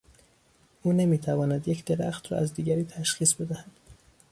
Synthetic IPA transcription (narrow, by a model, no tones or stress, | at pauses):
ʔuːne̞miːt̪ʰævɒːnæd̪jecʰd̪e̞ɾæ̰xt̪ɾɒ̰ːæzd̪iːɡæɾiːt̪ʰæʃxiːsbe̞d̪æhæd̪̥